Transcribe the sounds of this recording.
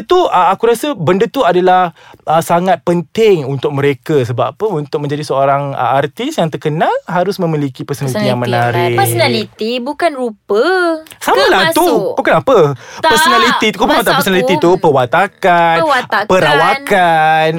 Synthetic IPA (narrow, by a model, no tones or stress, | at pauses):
t̪uʔəakuɾasəbəndət̪uadalahʔəsaŋat̪̚pənt̪ɪŋunt̪ʊk̚məɾekəsəbapəunt̪ʊk̚mə̃ɲd͡ʒadisəoɾaŋə̰art̪isjaŋt̪ərkənalɦaɾʊsmə̃milikipərsonalit̪ijaŋmənaɾɪəsonalit̪ibukanɾupəsamalaht̪ubukanapəpərsonalit̪ikupaat̪apərsonaliit̪upəwat̪akanpəɾawakan